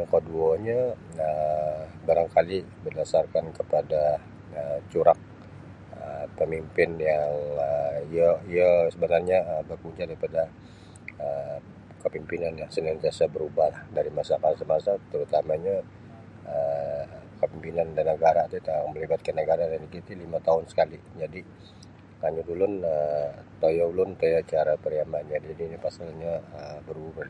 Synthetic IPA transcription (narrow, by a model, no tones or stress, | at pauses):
kəduaɲa | ə | baɾaŋkalibərdasarkankəpada | ət͡ʃuɾak̚ | əpəmimpɪnjaŋəiaiasəbənarɲaəbakuɲt͡ʃadaɾipada | ə | kəpimpinanlahsənaŋt̪iasabəɾubahlahdaɾimasakasamasat̪əɾut̪amaɲa | ə | kəpimpinandanəɡaɾat̪ut̪aməlibat̪̚kanːəɡaɾadanikit̪ilimat̪aɦʊnsə̥kali | d͡ʒadi | kaɲudulʊnət̪ojawlʊnt̪ojat͡ʃaɾapəɾiamanɲad͡ʒadiːnipasalɲaəbəɾuba